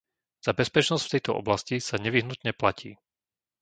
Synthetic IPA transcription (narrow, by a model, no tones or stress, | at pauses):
z̥abɛspɛt͡ʃnɔscft̪ɛjt̪ɔʔɔ̰blascisaɲɛʋiɦnut̪ɲɛplacḭː